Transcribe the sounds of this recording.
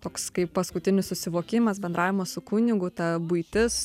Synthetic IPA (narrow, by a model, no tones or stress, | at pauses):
t̪oːkskɐɪppɐskʊt̪ʲɪnʲɪssʊsʲɪʋoːkʲɪmɐsbʲɛnd̪ɾʔɑːʋʲɪmɐssʊkʊnʲɪɡʊt̪ɐbʊɪt̪ʲɪs